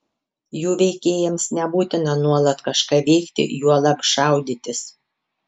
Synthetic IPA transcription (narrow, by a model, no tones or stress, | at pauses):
juːʋʲɛɪkʲeːjɛmsnʲɛbuːt̪ʲɪnɐnuɔlˠɐt̪kɐʃkɑːʋʲɛɪkt̪ʲɪ̰juɔlˠɑpʃɑˑʊd̪ʲit̪ʲɪs